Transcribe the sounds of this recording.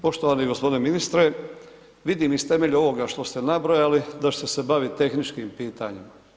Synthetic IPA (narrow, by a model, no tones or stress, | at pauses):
po̞ʃt̪oʋaniɡo̞spo̞d̪ineminist̪ɾe | ʋid̪imist̪e̞me̞ʎuo̞ʋo̞ɡaʃt̪o̞st̪e̞nabɾo̞jalid̪at͡ʃe̥t̪e̞se̞baʋit̪e̞xnit͡ʃkimpiːt̪a̰ɲima